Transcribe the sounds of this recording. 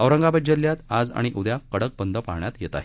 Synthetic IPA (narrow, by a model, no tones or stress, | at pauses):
əʋɾəŋɡabəd͡ʑəljat̪ad͡za̰ɽ̃iʔud̪jakəɽək̚bənd̪ʱəpaɦɳjat̪jet̪a̰ɦe